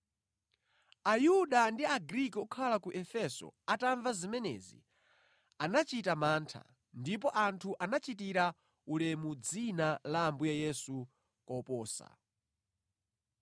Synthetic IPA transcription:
ajuɗandiaɡɾikɔukʰalakuʔɛfɛsɔ̰ataɱvazimɛnɛ̰ːzḭ | anat͡ʃitamaːntʰa̰ | ndip̬ɔʔantʰuʔanat͡ʃit̬iɾa | ulɛmud͡zinalambujajɛsu | kɔpɔːsa̰

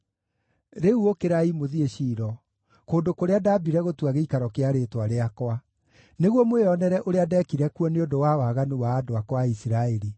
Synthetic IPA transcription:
ɾeuokeɾaimoðieɕiːɾɔ | koːndokoɾeadabiɾɛɣotuaɣeikaɾɔkeaɾetwaɾeakwa | neɣwɔmweɔnɛɾɛʔoɾeadɛːkiɾɛkuɔneodowawaɣanuwaːdoakwaisiɾaeɾi

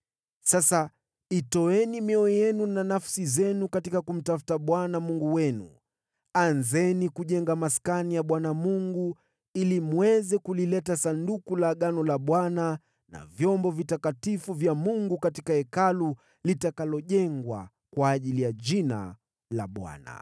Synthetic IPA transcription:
sasa | itɔɛnimiɔjɛnunanafsizɛnukatikakum̩tafu̥taɓwanamuŋɡuwɛnṵ | anzɛnikuʄɛŋɡamaskanijaɓwanamuŋɡu | ilimwɛzɛkulilɛtasandukulaɠanɔlaɓwana | na̰vjɔmbɔvitakatifuvjamuŋɡukatikaɛkalu | litakalɔʄɛŋɡwa̰ | kwaːʄilijaʄina̰ | la̰ɓwa̰na̰

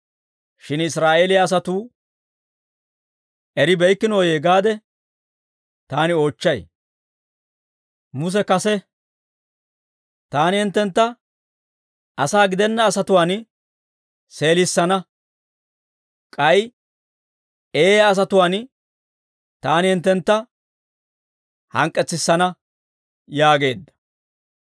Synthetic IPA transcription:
ʃɪnɪsɾaːʔe̞ːlɪjaːs̬ɐt̪uː | ʔɛɾɪbɛjkːɪnoːjeːɡaːd̪ɛ | t̪aːnɪo̞ːt͡ʃːɐj | mʊs̬ɛkɐsɛ | t̪aːnɪhɪnt̪ːɛnt̪ːɐ | ɐsaːɡɪd̪ɛnːɐːsɐt̪ʊwaːn | se̞ːlɪsːɐnɐ | kʼɐj | eːjɐs̬ɐt̪ʊwaːn | t̪aːnɪhɪnt̪ːɛnt̪ːɐ | hɐŋkʼːɛt͡sːɪsːɐnɐ | jaːɡe̞ːd̪ːɐ̥

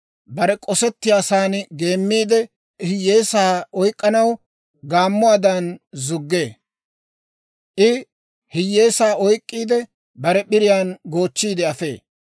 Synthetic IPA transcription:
bɐɾɛkʼɔsɛt̪ːɪjaːsaːnɪɡe̞ːmːiːd̪ɛ | hɪjːe̞ːsaːɔjkʼːɐnɐw | ɡaːmːʊaːd̪ɐnzʊɡːe̞ː | ʔɪ | hɪjːeːsaːɔjkʼːiːd̪ɛ | bɐɾɛbɪɾɪjaːnɡo̞ːt͡ʃːiːd̪ɛɐfe̞ː

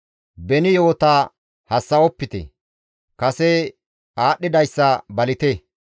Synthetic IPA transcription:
bɛnɪjo̞ːt̪aː | hɐsːɐɔpːɪt̪ɛ̰ | kɐsɛ | aːɗːɪd̪ɐjsːɐbɐlɪt̪e

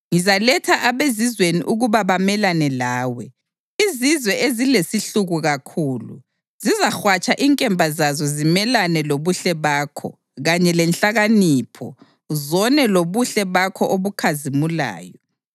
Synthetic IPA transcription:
ŋizalɛtʰaʔaβezizweniʔuɣuβaβamɛlanɛlaːwɛ | izizwɛʔezilesiɬuɣuɣakʰuːlṵ | z̥izaxwat͡ʃʼaʔiŋkʼɛmbʱazazɔzimɛlanɛloβuɬɛβaːkʰɔ̰ | ɣaɲɛlɛnɬaɣaniːpʰɔ̰ | zɔnɛloβuɬɛβakʰɔʔoβukʰazimula̰ːjɔ

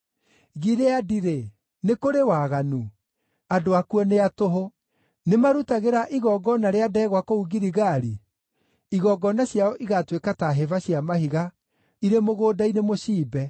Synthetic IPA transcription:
ɣiɾeadiɾe | nekoɾewaːɣanu | adoakuɔneatoɦo | nemaɾutaɣeɾaʔiɣɔɡɔnaɾeadɛːɣwakouɡiɾiɣaɾi | iɣɔɡɔnaɕjaɔʔiɣatwekataɦevaɕiamaɦiɣa | iɾemoɣoːdainemoɕiːbɛ

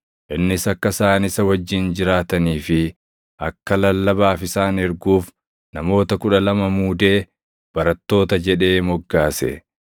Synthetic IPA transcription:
ʔɪnːɪsɐkːɐsaːnɪsɐwɐd͡ʒːɪnd͡ʒɪɾaːt̪ɐniːfɪ | ʔɐkːɐlɐlːɐbaːfɪsaːnɛɾɡuːf | nɐmo̞ːt̪ɐkʊᶑɐlɐmɐmuːd̪e̞ː | b̥ɐɾɐt̪ːo̞ːt̪ɐd͡ʒɛᶑe̞ːmɔɡːaːsɛ̰

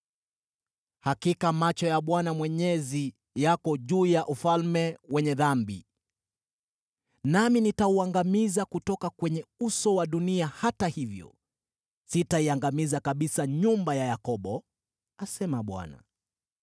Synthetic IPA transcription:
hakikamat͡ʃɔjaɓwanamwɛɲɛzi | jakɔʄuːjaʔufalmɛwɛɲɛðambḭ | naminitauaŋɡamizakutɔkakwɛɲɛusɔwaɗuniahatahivjɔ̰ | sitaiaŋɡamizakaɓisaɲumbajajakɔɓɔ | asɛmaɓwa̰na̰

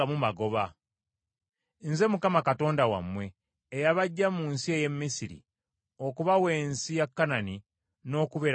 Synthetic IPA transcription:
amumaɡo̞βa | nze̞mukamakato̞ːndawa̰mːwe̞ː | jaβaɟːamunsie̞je̞mːisiɾḭ | o̞kuβawe̞ːnsijakːanani | no̞ːkuβe

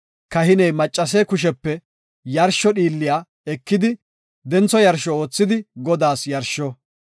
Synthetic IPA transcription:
kɐhɪnɛjmɐt͡ʃʼːɐs̬eːkʊʃɛpːɛ | jɐɾʃɔɗiːlːɪjaː | ɛkːɪd̪ɪ | d̪ɛnt͡sɔjɐɾʃɔo̞ːt͡sːɪd̪ɪɡɔd̪aːsjɐɾʃɔ

